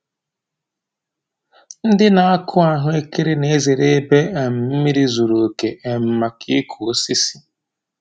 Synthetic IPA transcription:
n̩˦dɪ˦na˨a˦kʰʊ˦a˨ɦʊ˦e˦ki˦ɾɪ˦ne˦e˦ze˨ɾe˦be˦e˨m̩˨m̩˦mi˦ɾi˦zu˨ɾo˨ke˨ʔe˨m̩˨ma˨kḭ˦kʰo˨˦si˦si̥˦

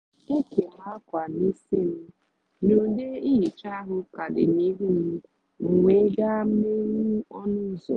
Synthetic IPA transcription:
e˦ke˨ɔ˨ɦa˦kʷa˨ni˦si˦m̩˦ | nu˨de˦i˦i˨t͡ʃa˦ɦʊ˨ka˨dɪ̰˨ni˦ɦu˦m̩˦ | ŋ̩˨ŋʷe˨˦ɡa˦m̩˦me˦ŋu˦ɔ˦nʊ˦˨zo̰˨

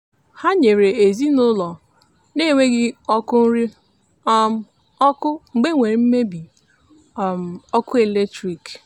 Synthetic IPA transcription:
ha˦ɲe˨ɾe˨e˨zi˦nʊ˦lɔ˨ | ne˦˨ŋʷe˦ɡɪ˦ɔ˦kʊ˦n̩˦ɾi˦ | m˦ | ɔ˦kʊ˦ŋ͡m̩˨ɡ͡be˦ŋʷe˨ɾi˨˦m̩˦me˦bi˨ | m̩˨ɔ˦kʊ˦e˨le˦tɾi˨k

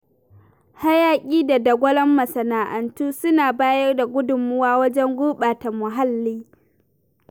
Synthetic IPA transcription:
ha˦jaː˦kʲʼiː˦da˨dɐ˨ɡʷɐ˦lɐ˦mːɐ˨sɐ˨naː˨ʔɐ˨ntuː˦sʊ˦naː˨baː˦jɐ˦rda˨ɡʷʊ˦dʊ˨mʊ˦waː˦wɐ˦d͡ʒɛ˦ŋɡʷoː˦ɓaː˨ta˨mʊ˨ɦa˦lːiː˦

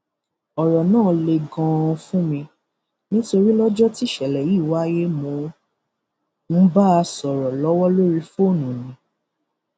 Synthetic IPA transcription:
ɔ˨ɾɔ˨nãː˦˨le˧ɡɔ̃˧fũ˦mĩ˧ | nĩ˦to˧ɾi˦lɔ˦d͡ʒɔ˦ti˦ʃɛ˨lɛ˨ji˦˨wa˦je˦mo˧ | n̩˦ba˦a˧sɔ˨ɾɔ˨lɔ˨˦wɔ˦lo˦ɾi˦fo˦˨nũ˨nĩ˨˦

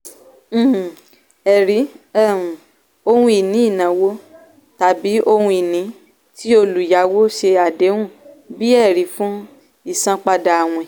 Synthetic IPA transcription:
ɛ˨ɾi˨˦ɛ˦˨ | o˧hũ˧˦i˨nĩ˨˦i˦˨nã˨˦wo˦ | ta˨˦bi˨˦ʔo˧hũ˧i˨nĩ˨˦ | ti˦o˧lu˨ja˨˦wo˦ʃe˧a˨de˨˦wũ˦˨ | bi˦ɛ˦˨ɾi˨˦fũ˦ | i˦˨sã˧k͡pa˧da˧a˨w̃ɔ̃˧˨

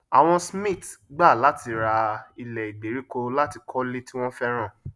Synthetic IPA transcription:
a̰˨w̃ɔ̃˧smĩ˦˨tɡ͡ba˦˨la˨˦tʰi˨˧ɾa˧i˧lɛ˨i˨ɡ͡be˨˦ɾi˨˦ko˧la˦ti˧kʰɔ˦le˦ti˦w̃ɔ̃˦fɛ˦ɾ̃ã˦˨

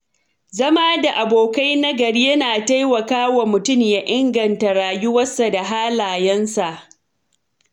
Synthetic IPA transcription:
zɐ˦maː˦da˨ʔa˨boː˨ka˦jnɐ˦ɡɐ˨ɽi˦jɐ˦naː˨ta˦jwɐ˨kaː˦wa˨mʊ˨tʊ˦˨mja˦ʔɪ˦ŋɡɐ˨nta˨ɽaː˨jʊ˦wɐ˦sːa˨da˨ɦaː˦laː˨jɛ˦nsa˨ʔ

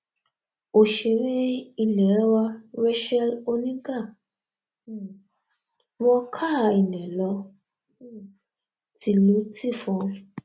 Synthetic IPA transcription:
o˨ʃe˨ɾe˦i˦˨lɛ˨˦wa˧ɾe˦ʃɛ˦lo˧nĩ˦ɡa˦˨ | wɔ˦kʰa˦˨i˨nɛ̃˨lɔ˧ | ti˧˦lu˨˦ti˦˨fɔ̃˧

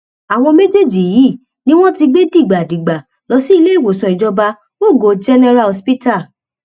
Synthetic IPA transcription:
a˨w̃ɔ̃˧me˦d͡ʒe˦˨d͡ʒi˨ji˨˦˨ | nĩ˦w̃ɔ̃˦ti˧ɡ͡be˦di˦˨ɡ͡ba˨di˨ɡ͡ba˨ | lɔ˧si˦i˦˧le˦i˦˨wo˨sɔ̃˧i˨d͡ʒɔ˧ba˧ | mo˦˨ɡo˨d͡ʒɛ˦nɛ˦˧ɾa˦˨ɔ˧spi˦ta˦˨

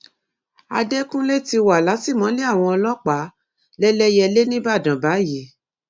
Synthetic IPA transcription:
a̰˧dɛ˦kũ˦le˦˨ti˧wa˨la˨˦si˦˨mã˨˦le˦a˦˨w̃ɔ̃˧ɔ˧lɔ˦k͡pa˨˦ | lɛ˦lɛ˦jɛ˧le˦nĩ˦ba˦˨dã˨ba˨˦ji˨˦

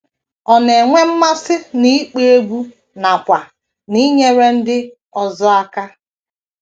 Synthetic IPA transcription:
ɔ˨ne˨ŋʷe˦m̩˦ma˦sɪ˦ni˦k͡pe˦e˦bu˦ | na˨kʷa˨ | ni˦ɲe˦ɾe˦n̩˦dɪ˦ | ɔ˨zɔ˦a˦ka˦

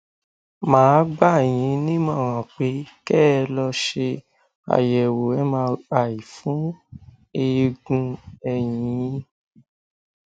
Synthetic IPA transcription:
mãː˨˦ɡ͡ba˦˨j̃ĩ˨˦nĩ˦mã˦˨w̃ɔ̃˨k͡pe˨˦kɛː˦˧lɔ˧ʃe˧ | a̰˨jɛ˨wo˨ɛ˦mã˧a˨i˨fũ˨˦ | e˧ɡũ˧ɛ˧jĩĩ˨˦

